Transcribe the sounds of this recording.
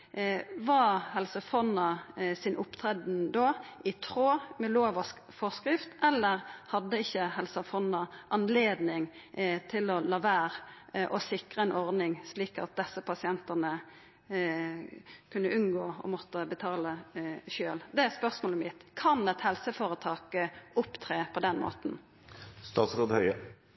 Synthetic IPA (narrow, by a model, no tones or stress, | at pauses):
ʋɑhɛlsəfɔnːɑsɪnʔʊpt̪ʰɾɛd̪n̩d̪oːʔɪt̪ʰʁoːmɛloːʋɔ | fɔskʁɪft̪ɛlːəʁhɑd̪ːəɪçːəhɛlsəfɔnɑʔɑnleːd̪nɪŋ | t̪ʰɪlɔlɑːʋæːʁʔɔsɪkʁəɛnʔɔʁnɪŋsliːkɑ̰t̪̚d̪ɛsːəpʰɑsɪɛnt̪əʁnə | kʰʉnːəʔʉnɡoːɔ̰mɔt̪ːəbət̪ʰɑːləʃøːld̪ɛæspœʁsmoːləmɪt̪kʰɑnɛt̪hɛlsəfoːʁət̪ʰɑːkəʊpt̪ʰʁeːpʰɔd̪ɛnmo̰ːt̪n̩ | st̪ɑːt̪sʁoːd̪hœʏə